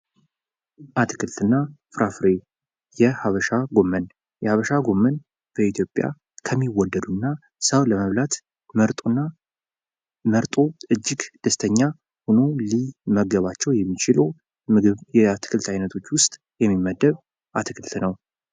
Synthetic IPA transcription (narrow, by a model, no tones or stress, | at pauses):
ʔat̪ʰɨkʰɨlt̪ɨnːafɨɾafɾe | jɛhaβəʃaɡo̞mːən | jɛhaβəʃaɡo̞mːən | b̥əit̪ʰjo̞pʼːja̰ | kʰəmːiwːɔd̪ːəd̪unːa | səwləməβlat̪ | məɾt̪ʼnːa | məɾt̪ʼo̞ɨd͡ʒːɪɡd̪̥əst̪ʰəɲːa | hunoliməɡəβat͡ʃːɛwjɛmːit͡ʃɪlo | ɨjɛat̪ʰɨ̥kʰɨlt̪ʰajnət̪ʰo̞t͡ʃːwʊst̪ʼ | jɛmːimːəd̪ːəβ | ʔat̪ʰɨkʰɨlt̪nəw